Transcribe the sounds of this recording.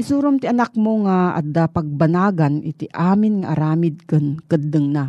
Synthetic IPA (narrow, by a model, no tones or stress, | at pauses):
ʔɪsuːɾomt̪ɪʔɐnak̚moŋaʔɐ̰d̪apɐɡ̚banaːɡanʔɪt̪iʔaːmɪnŋaʔɐ̰ɾaːmɪd̪̚kɨnkɨd̪ɯŋna